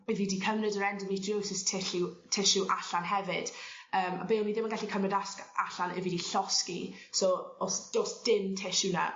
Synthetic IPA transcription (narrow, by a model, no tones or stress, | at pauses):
bɪvidikʰəvnɨdəɾɛndəmitʰjowsɪstʰɪɬɪwtʰɪʃɪwʔaɬanɦɛvɪd̥əːma̰beːmiðɪmənɡaɬikʰəmnədaskaɬanɪ̰vidiɬɔskisɔosd̥osd̥ɪntʰɪʃɪna̰